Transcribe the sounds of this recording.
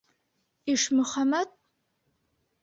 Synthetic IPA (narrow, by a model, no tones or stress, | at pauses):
iʂmɨχamatʼ